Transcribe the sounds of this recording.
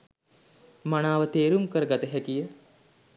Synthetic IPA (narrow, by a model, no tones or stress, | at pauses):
manaːʋət̪eːɾumkəɾəɡat̪əɦɛkijə